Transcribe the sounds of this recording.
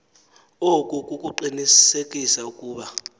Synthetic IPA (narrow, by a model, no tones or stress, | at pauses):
okʼukʼukʼuǃinisekʼisaukʼuːɓa